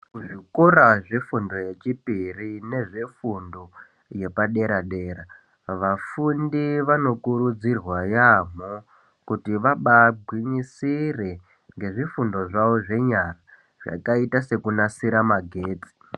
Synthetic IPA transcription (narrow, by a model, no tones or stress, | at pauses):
kuʐikoɾaʐefundo̞je̞t͡ʃipirine̞ʐe̞fundo | je̞paɗe̞ɾaɗe̞ːɾa | ʋafundiʋano̞kuɾud͡zirwajam̤o | kutiʋaɓaɡʱwiɲisire̞ | ŋɡe̞ʐifundo̞ʐaʋo̞ʐe̞ɲara | ʐ̥a̰kaitase̞kunasiɾamaɡʱeːt͡si̥